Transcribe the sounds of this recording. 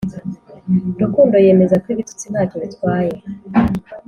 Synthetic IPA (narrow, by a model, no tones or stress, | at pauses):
dukuːndo̞je̞me̞zakwiβitu̥t͡siβaːkoβitwaːje̞